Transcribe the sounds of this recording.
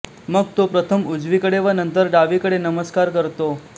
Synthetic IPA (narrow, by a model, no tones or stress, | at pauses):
məɡ̚t̪opɾət̪ʰəmud͡zʋikəɽeʋənənt̪əɾɖaʋikəɽenəməskaɾkəɾt̪o